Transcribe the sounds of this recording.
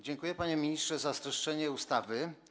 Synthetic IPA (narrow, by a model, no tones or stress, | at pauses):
d͡ʑɛŋkujɛpaɲɛmʲiɲistʂɛzast̪ɾɛʂt͡ʂɛɲɛust̪avɘ